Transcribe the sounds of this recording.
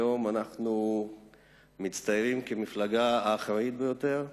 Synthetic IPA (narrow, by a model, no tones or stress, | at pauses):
o̞manaχnu | mit͡st̪ajʁimkemiflaɡaːχʁait̪̚bejo̞t̪e̞ʁ